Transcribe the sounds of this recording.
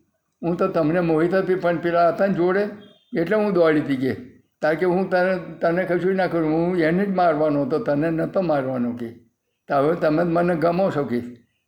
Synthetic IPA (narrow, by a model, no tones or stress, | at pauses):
ɦũt̪ot̪əmnemoɦit̪əpipəɳpiɾaːt̪and͡ʒoɽe | eʈleɦũd̪oalit̪ike | t̪aɾkeɦũt̪ət̪ənekʰəʃuinakəɾũɦũened͡ʒmaɾʋanoɦət̪ot̪ənenət̪omaɾʋanoke | t̪aʋet̪əmeməneɡəmawʃəkiʃ